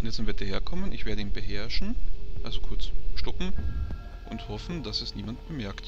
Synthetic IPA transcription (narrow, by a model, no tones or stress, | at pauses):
ʔʊnjɛtsɪnviɐdiɐheːɐkʰɔmənɪçv̥eːɐɾəiːmbəhɛɐʃn̩ʔalzokʰʊɐt͡sʃtɔpm̩ | ʔʊnthɔfn̩d̥asɛsniːmantb̥əmɛɐkt